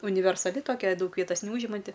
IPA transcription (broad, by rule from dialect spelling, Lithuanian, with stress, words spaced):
ʊnʲɪʋʲɛrsɐˈlʲɪ toːˈkʲɛ ˈdɐʊk ˈʋʲiɛtɐs nʲɛˈuːʒʲɪmɐnʲtʲɪ